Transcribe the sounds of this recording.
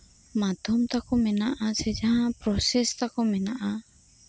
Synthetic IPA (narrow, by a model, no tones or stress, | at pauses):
mad̪ʱɔmt̪akɔmɛnaʔasɛd͡ʒaɦãpɾɔsɛst̪akɔmɛnaʔa